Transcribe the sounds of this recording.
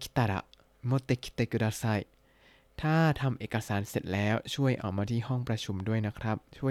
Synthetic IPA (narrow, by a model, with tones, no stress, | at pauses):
kʰi̥˦˥t̪ːa˨˩ɾa̰˨˩ | mo˧t̪e˧kʰi̥˦t̪e˧˩ku˧ɾaː˧sa˧˩j | t̪ʰaː˥˩t̪ʰa˧mʔeː˨˩ka˧saː˩˦nse˨˩t̪̚lɛː˦˥wt͡ɕʰu˥˩əjʔa̰˨˩wmaː˧t̪ʰiː˥˩ɦɔ˥˩ŋpɾa˧t͡ɕʰu˧mdu˥˩əjna˦˥kʰɾa˦˥p̚t͡ɕʰu˥˩ə